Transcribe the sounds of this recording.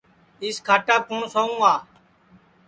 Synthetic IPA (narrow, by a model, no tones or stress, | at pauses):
ɪskʰaːʈaːb̚kõːsaːũːaː